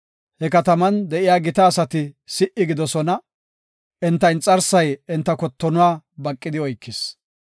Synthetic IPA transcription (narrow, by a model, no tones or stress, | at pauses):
hɛkɐt̪ɐmɐnd̪ɛʔɪjaːɡɪt̪ɐːsɐt̪ɪsɪʔɪɡɪd̪ɔsɔnɐ | ʔɛnt̪ːɐjnt͡sʼɐɾsɐjɛnt̪ːɐkɔt̪ːɔnʊwaːbɐkʼːɪd̪ɪɔjkːɪs